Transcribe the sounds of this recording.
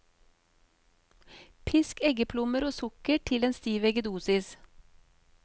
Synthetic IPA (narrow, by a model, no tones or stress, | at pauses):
pʰɪskɛɡəpʰlʊməɾoːsʊkəʈʰɪleːnst̪iːʋɛɡəd̪uːsɪs